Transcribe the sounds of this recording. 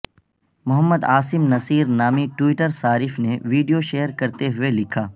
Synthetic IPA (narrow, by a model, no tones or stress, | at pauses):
mʊɦəmːəd̪aːsɪmnɐsiːɾnaːmiʈwiːʈəɾsaːɾɪfneʋiːɖijoʃeːəɾkɐɾt̪eɦʊelɪkʰaː